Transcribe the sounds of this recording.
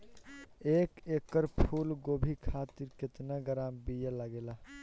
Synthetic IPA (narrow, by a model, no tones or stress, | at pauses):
ekekːəɾpʰulɡobʱikʰat̪iɾket̪nəɡəɾambijələɡela